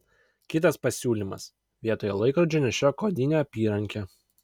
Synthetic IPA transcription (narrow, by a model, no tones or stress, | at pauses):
kʲɪt̪ɐspɐsʲuːlʲimɐ̰s | ʋʲiɛt̪oːjɛlˠɐɪkɾɐd͡ʒʲoːnʲɛʃʲokoːd̪ʲɪnʲeːɐpʲiːɾɐŋʲkʲɛ